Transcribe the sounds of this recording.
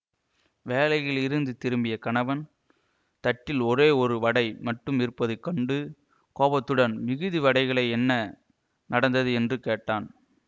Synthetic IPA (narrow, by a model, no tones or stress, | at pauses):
ʋeːlɐɪjɪɭɪɾɯnd̪ɯt̪ɪɾɯmbɪjɐkɐɳɐʋɐn | t̪ɐʈːɪlɔɾeːɔɾɯʋɐɽɐɪmɐʈːɯmɪɾɯpːɐðɯkːɐɳɖɯ | koːbɐt̪ːɯɽɐnmɪɣɯðiʋɐɽɐɪɣɐɭɐɪɛnːɐ | nɐɽɐnd̪ɐðɯɛndrɯkeːʈːaːn